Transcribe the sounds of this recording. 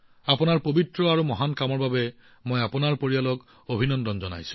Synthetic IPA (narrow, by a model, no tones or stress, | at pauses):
apʊnaɹpobitɹɔaɹumɔɦankamɔɹbabɛ | mojapunaɹpoɹialɔk | obʱinɔndɔnzɔna̰jsʊ̥̃